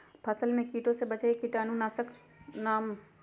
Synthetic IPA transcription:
pʰɐsəlmẽkiːʈõsebɐt͡ʃaekiʈaːnũnaːsək | naːm

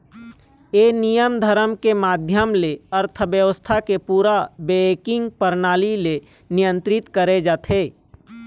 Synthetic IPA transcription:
eːnijəmd̪ʱəɾəmkemaːd̪ʱjəmleəɾt̪ʰəbjəʋəst̪ʰakepuːɾabeːkɪ̃ŋɡ̚pəɾnaːlile | nɪjə̃nt̪ɾɪt̪kəɾed͡ʒaːt̪ʰeː

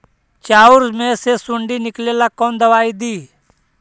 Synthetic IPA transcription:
t͡ʃaːʊɾzmẽsesʊɳɖiːnɪkleːlakoːnd̪əʋaːid̪iː

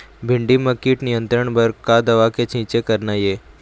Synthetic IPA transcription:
bʱiɳɖiməkiːʈnijənt̪ɾəɳbəɾkad̪əʋaket͡ɕʰĩt͡ɕekəɾnaje

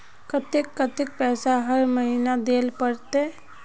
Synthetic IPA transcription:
kət̪ɪkːət̪ɪk̚pɛːsaɦəɾməɦinad̪eːlpəɾt̪e

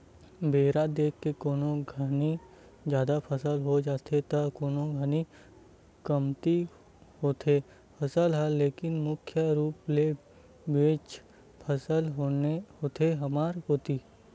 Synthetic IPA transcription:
beːɾad̪eːkʰːekoːnoɡʱəni | d͡ʒjaːd̪apʰəsəlɦod͡ʒaːt̪ʰet̪ɐkoːnoɡʱəni | kɐmt̪i | hoːt̪ʰe | pʰɐsəlɦɛleːkɪnmʊkʰjəɾuːple | beːt͡ʃ | pʰəsəlɦoehoːt̪eɦɐmaːɾɦoːt̪iː

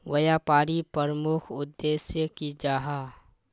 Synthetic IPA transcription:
ʋɐjaːpaːɾipəɾəmʊkʰʊd̪ːeːsjəkid͡ʒaːɦaː

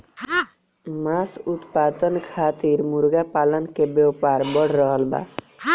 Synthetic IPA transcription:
masut̪pad̪ɔnkʰat̪iɾmuɾɡapalɔnkebjɔwpaɾbɔɽɾɔɦɔlba̰

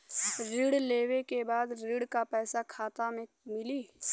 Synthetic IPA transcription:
ɾɪɽleːwekebaːd̪ɾɪɽkapɛːsakʰaːt̪amẽ | mɪliː

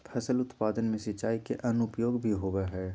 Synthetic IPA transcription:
pʰɛsəlʊt̪paːd̪ənmẽsɐt͡ʃaːikeʔɐnʊpjoːɡbʱiɦoːʋeɦɛː

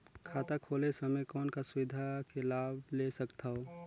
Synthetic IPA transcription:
kʰaːt̪akʰoːlesəməjkɔːnkasʊʋɪd̪ʱakelaːbʱlesəkt̪ʰaɦo

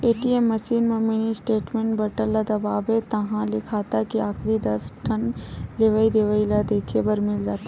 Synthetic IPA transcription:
eːʈieːmːɐsiːnmɐminisʈeːʈmẽːɳʈbɐɾʈəlːad̪ɐbaːbet̪ɐɦãlɪkʰaːt̪akiaːxɾid̪ɐsʈʰɐnleːʋəid̪eʋəilad̪eːkʰebɐɾmɪld͡ʒaːt̪a

